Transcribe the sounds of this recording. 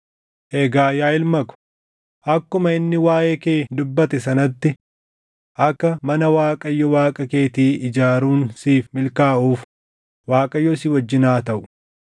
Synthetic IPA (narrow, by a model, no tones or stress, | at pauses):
ʔɛɡaːjaːɪlmɐkʊ̥ | ʔɐkːʊmɐɪnːɪwaːʔeːkeːd̪ʊbːɐt̪ɛs̬ɐnɐt̪ːɪ | ʔɐkːɐmɐnɐwaːkʼɐjːɔwaːkʼɐke̞ːt̪iːɪd͡ʒaːɾuːnsiːfmɪlkaːʔuːf | waːkʼɐjːɔsiwɐd͡ʒːɪnaːt̪ɐʔʊ̥